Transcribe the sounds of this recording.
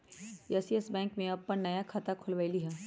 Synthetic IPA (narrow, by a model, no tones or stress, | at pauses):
jɛːsiɛsbɛ̃ːŋkmẽɐpːənnɐjakʰaːt̪akʰʊlʋaːɪliɦɛː